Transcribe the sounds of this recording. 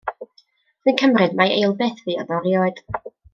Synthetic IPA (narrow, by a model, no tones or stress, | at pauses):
ð̥ɨːnkʰəmrɨdmaḛjlˠbɛːθvɨːɔ̰ðɔɾjɔɨd̥